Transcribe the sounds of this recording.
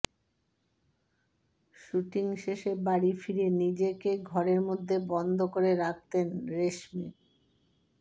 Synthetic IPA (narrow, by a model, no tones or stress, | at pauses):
ʃuʈiŋʃeʃebaɾifiɾenid͡ʑekeɡʱɔɾeɾmod̪ʱːebɔnd̪ʱokoɾeɾak̚ʰt̪enɾeʃmi